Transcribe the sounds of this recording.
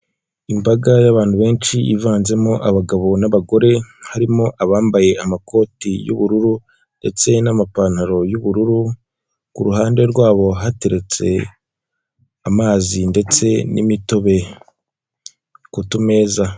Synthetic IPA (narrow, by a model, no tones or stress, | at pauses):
imbaɡajaβaːn̥huβe̞ːnt͡ʃiʔḭvaːnze̞mo̞ʔaβaɡaβo̞naβaɡo̞ɾe̞haɾimo̞ʔaβaːmbaje̞amako̞ːtijṵβuɾuɾu | nde̞̰t͡se̞namapaːn̥haɾo̞juβuɾuɾu | kuɾuɦaːnde̞ɾɡwaːβo̞ɦate̞ɾe̞t͡se̞̰ | amaːzinde̞t͡se̞nḭmitoβe̞ | kutume̞ːza